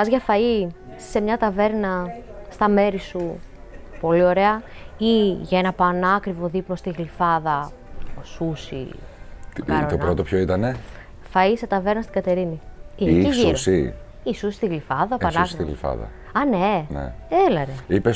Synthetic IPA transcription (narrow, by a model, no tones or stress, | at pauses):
ɐzʝɐfɐi | se̞mɲɐt̪ɐve̞ɾnɐst̪ɐme̞ɾisu | po̞lio̞ɾe̞ɐiʝɐenɐpɐnɐkɾivo̞ðiplo̞st̪iɣlifɐðɐ | osusḭ | kɐɾot̪onpɾot̪o̞pçoit̪ɐne | fɐise̞t̪ɐve̞ɾnɐst̪iɡɐt̪e̞ɾiniineisʝiɾossi | isusi̥st̪iɣlifɐðɐoppɐnɐkɾiiɣlḭfɐ̰ðɐ̰ | ɐnenḛelɐɾeipes